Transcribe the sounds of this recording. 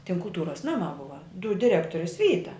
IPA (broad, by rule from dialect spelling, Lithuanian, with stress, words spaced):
tʲɪn kʊlˠˈtuːrɐs ˈnɑːmɐ ˈbʊʋɐ dʊt dʲɪˈrʲæːktoːrʲɪs ˈʋʲiːtɐ